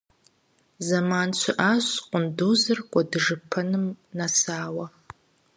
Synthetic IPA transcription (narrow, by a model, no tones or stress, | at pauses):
zamant͡ʃʷʰɪʔaɕʷqʷʼʊnduzɨrkʷʼadɨʐɨpʰɐnɨmnasaːwɐ